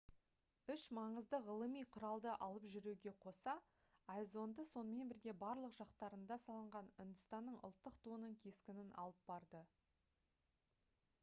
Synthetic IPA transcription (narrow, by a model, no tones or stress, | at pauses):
ʏʃmɑɴəzd̪əʁəlˠəmijqʰʊɾɑlˠd̪əʔɑlˠəpʒʏɾuɡʲe̞qʰo̞sɑ | ɑjzo̞nd̪əso̞nəme̞nbɪɾɡʲe̞bɑɾlˠəqʒ̥ɑqt̪ɑɾənd̪ɑsɑlˠəɴʁɑnʏnd̪ɪst̪ɑnːəɴʊ̰lˠt̪ːəqt̪uənəɴkʲʰe̞skʲɪnɪnʔɑ̰lˠəp̚bɑɾd̪ə